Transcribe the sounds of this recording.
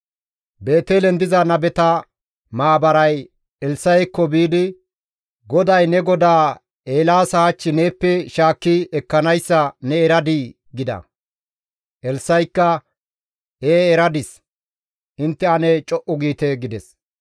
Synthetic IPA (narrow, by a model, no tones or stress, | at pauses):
be̞ːt̪eːlɛnd̪ɪzɐnɐbɛt̪ɐ | maːbɐɾɐj | ɛlsɐjkːɔbiːd̪ɪ | ɡɔd̪ɐjnɛɡɔd̪aː | eːlaːsɐːt͡ʃːɪneːpːɛʃaːkːɪɛkːɐnɐjsːɐnɛɛɾɐd̪ɪ | ɡɪd̪ɐ̰ | ʔɛlsːɐjkːɐ | eːɛɾɐd̪ɪs | ɪnt̪ːɛɐnɛt͡ʃʼɔʔʊɡiːt̪ɛɡɪd̪ɛs